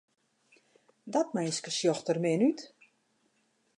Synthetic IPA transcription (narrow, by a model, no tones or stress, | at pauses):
dɔtmɛjskəsjɔxtərmɪnyt